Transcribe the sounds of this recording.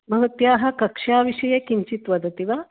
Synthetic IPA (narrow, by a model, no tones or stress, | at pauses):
məɦət̪jaɦakɐkʂaʋiɕɐjekiɲt͡ɕit̪ʋɐd̪ət̪iʋa